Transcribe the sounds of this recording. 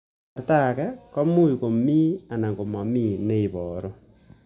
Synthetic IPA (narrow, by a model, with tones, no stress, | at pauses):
a˨rta˦˨ka˦kɔ˦mu˦i˨ko˨mi˦a˨na˨ŋɡo˨mɔ˨miː˦˨ne˦i˨βɔː˨ɾo˦